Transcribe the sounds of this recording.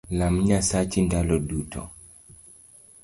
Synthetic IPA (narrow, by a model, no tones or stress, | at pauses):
lamɲasat͡ʃindalɔdutʰɔ̰